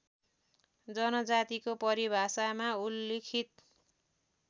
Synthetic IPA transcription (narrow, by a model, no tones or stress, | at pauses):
d͡zʌnʌd͡zat̪ikopʌɾibʱasamaulːekʰit̪̚